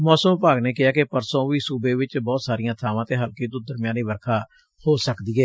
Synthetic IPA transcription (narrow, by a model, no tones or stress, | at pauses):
mɔːsəmpaːɡneːkɪaːkepəɾsõːʋiːsuːbeːʋɪt͡ʃbɔːt̪saːɾɪjãːt̪ʰaːʋãːt̪eːɦəlkiːt̪ʊd̪əɾmɪjaːniːʋəɾkʰaː | hoːsəkd̪iːɛː